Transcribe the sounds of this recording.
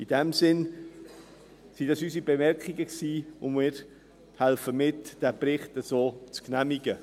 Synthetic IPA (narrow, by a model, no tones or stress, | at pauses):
id̥ɛmsɪn | sidɑsysibemɛɾkχiɡəksiːʊmmɪːɾ | hɛlfəmɪtd̥ɛprɪχtəzoːt͡sknɛmiɡə